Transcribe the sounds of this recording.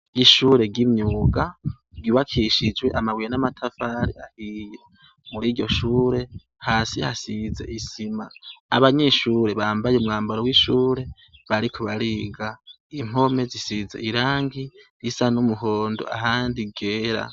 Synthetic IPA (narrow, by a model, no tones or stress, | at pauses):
iʃuːɾe̞ɡimɲuːɡḁ | ɡiβakʰiʃid͡ʒɡwe̞ʔamawijenamatʰafaɾḭahije | muɾiːɾɟo̞ʃuːɾe̞ | haːsiha̰size̞̰ʔisima̰aβaɲeʃuːɾe̞βaːmbajeumŋaːmbaɾowiʃuːɾe̞ | βaɾikʰoβaɾiɡa | im̥o̞me̞zisize̞̰ʔiɾaːŋɡijisanumuɦoːndo̰a̰ɦaːndiɡeːɾa̰